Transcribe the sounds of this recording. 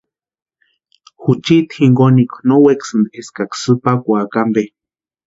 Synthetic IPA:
xut͡ʃit̪hiŋɡonikʷnoweksɨnd̪eskaksɨpakʷakambe

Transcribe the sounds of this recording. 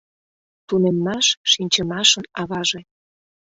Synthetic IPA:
t̪unemːɑʃʃinʲt͡ɕəmɑʃə̆nɑβɑʒe

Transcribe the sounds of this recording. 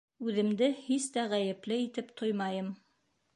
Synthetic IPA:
ʉðɘ̆md̪ɘhist̪æʁæjɘ̆plɘit̪ɘpt̪ʰojmɑjɤm

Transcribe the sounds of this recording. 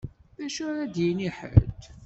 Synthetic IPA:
ðæʃʊɾæd̪jiniħə̰lt̪

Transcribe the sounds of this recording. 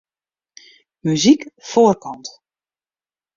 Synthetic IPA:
myzikfoːrkɑnt

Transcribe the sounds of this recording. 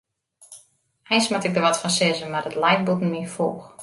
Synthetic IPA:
ɛjnsmatɪk̚dərʋɔtfɔnsɪzəmardətlɛjk̚butn̩əmifoːx

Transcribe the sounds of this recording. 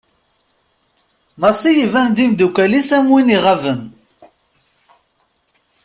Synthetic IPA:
mɑsˤijivænd̪imd̪ukælisæmwiniʁavən

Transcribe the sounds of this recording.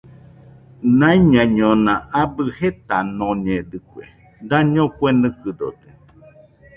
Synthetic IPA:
nãiɲãɲõnãʔabɨhet̪anõɲẽd̪ɨkʷḛ | d̪aɲõkʷenɨ̃kɨd̪o̰d̪e

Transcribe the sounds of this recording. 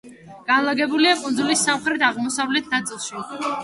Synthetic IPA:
ɡ̥anlˠaɡɛbuliakʼund̪zulisːamχɾɛd̪aʁmɔsavlɛt̪ʰnat̪sʼilˠʃi

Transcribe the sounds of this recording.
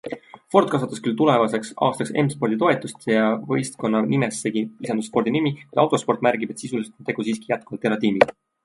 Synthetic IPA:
fo̞rt̪̚ˑkɑs̬ɑt̪ːɑskylt̪ule̞vɑse̞ksɑ̰ːst̪ɑksemspo̞rd̪̥it̪o̞e̞t̪ːˑust̪jɑvɤ̰jst̪ko̞nːɑnimesːeɡiisɑnd̪usfpo̞rd̪inimikud̪ɑwt̪ˑo̞spo̞rt̪ˑmæɾɡ̥ib̥e̞t̪sisuliset̪ont̪e̞ɡ̥usiːski̥jæt̪̚kuvɑlt̪ːˑeɾɑt̪iːmi

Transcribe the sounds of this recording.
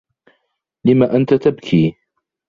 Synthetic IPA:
lɪmaʔant̪at̪abkʰiː

